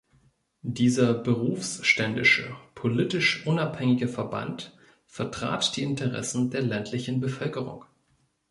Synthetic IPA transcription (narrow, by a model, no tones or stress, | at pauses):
diːzɐbəʁuːfsʃtɛndɪʃəpʰolitɪʃʔʊnaphɛŋɪɡəfɛɐba̰nt | fɛɐtʁ̥a̰ːtd̥iːɪntʰəʁɛ̰sn̩deːɐlɛntʰlɪçn̩bəfœlkəʁʊ̰ŋ